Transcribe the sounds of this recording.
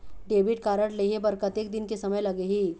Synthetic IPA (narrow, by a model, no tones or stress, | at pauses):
ɖeʋiʈkaɾəʈleɦebəɾkət̪ek̚d̪inkesəməjləɡeɦiː